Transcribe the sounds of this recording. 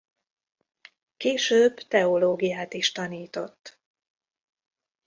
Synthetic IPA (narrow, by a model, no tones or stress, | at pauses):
keːʃøːbt̪ɛo̞loːɡijaːt̪iʃt̪ɒniːt̪o̞t̪ː